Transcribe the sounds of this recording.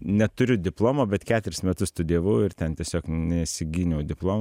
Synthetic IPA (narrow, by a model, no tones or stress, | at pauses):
nʲɛt̪ʊɾʲʊd̪ʲɪplˠoːmoːbʲɛt̪kʲæːt̪ʲʊɾʲɪsmʲɛt̪ʊst̪ʊd̪ʲiɛʋɐʊɪɾt̪ʲɛnt̪ʲiɛsʲoːknʲɛsʲɪɡʲiːnʲɛʊd̪ʲɪplˠoːm